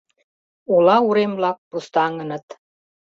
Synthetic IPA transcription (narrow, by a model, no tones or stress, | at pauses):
ulɑuɾemlɑk̚pust̪ɑŋə̆nɤ̆t̪